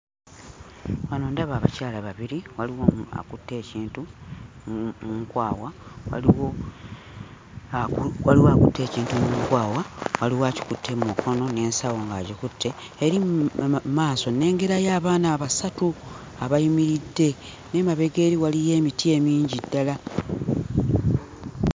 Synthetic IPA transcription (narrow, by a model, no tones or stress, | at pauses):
wanoːndaβaːβa̰caːlaβaβiɾiwaliwoa̰kutːe̞ciːntu | muŋkwaːwawa̰liwo | wa̰liwoakutʰːe̞ːciːntumuŋkwaːwawaliwaci̥kutʰːe̞mukʰo̞no̞ne̞ːnsawo̞ŋɡaːɟikutʰːe̞ː | ɾi | maːso̞ne̞ːŋɡe̞ɾajaːβaːnaβasatu | aβaimiɾidːe̞ | ne̞maβe̞ɡe̞ːɾiwalije̞ːmitʰie̞ːmiːɲɟidːala